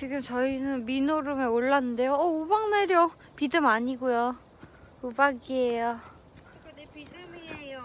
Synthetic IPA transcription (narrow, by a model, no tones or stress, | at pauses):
t͡ɕiɡɯmt͡ɕʌinɯnminoɾɯmeoɭːanɯnde̞joʌubaŋneɾjo | pidɯmaɲiɡujo | ubaɡiejo